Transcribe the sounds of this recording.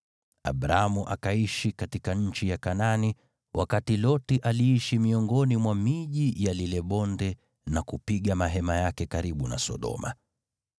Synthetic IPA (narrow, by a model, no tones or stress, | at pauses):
a̰ɓɾaamuʔakaiʃikatikaɲ̩t͡ʃijakanani | wʔakatilɔtiʔaliiʃimiɔŋɡɔnimwamiʄijalilɛɓɔndɛ | nakupiɠamaɦɛmajakɛkaɾiɓuna̰sɔ̰ɗɔ̰ma̰